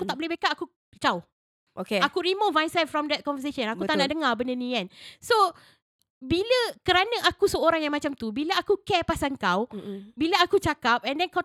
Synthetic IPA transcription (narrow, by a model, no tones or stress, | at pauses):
kut̪aʔbəlehbekaʔaku | t͡ʃaw | ʔokeakuɾimotvãjnsɛlfɾɔmdɛt̪̚kɔ̃nvəseʃə̃nakut̪anaʔdəŋabəndənĩɡɛnso | biləkəɾanəʔakusəoɾaŋjaŋmat͡ʃamt̪ubiləakukɛpasaŋkawbiləakut͡ʃakap̚ɛ̃ndɛnka